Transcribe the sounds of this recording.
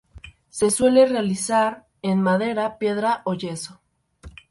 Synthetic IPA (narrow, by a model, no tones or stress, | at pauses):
se̞swe̞le̞realisaɾ | enmaðe̞ɾapje̞ðɾaʔoʝe̞so̞